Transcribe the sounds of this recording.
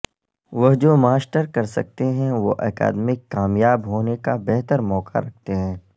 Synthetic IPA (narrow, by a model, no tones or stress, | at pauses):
ʋɐɦd͡ʒoːmaːsʈəɾkɐɾsɐk̚t̪eɦɛ̃ʋo̰ʔɛ̰ːka̰ːd̪mɪkːaːmjaːbɦoːnekabɛɦt̪əɾmɔːka̰ɾɐk̚ʰt̪eɦɛ̃ː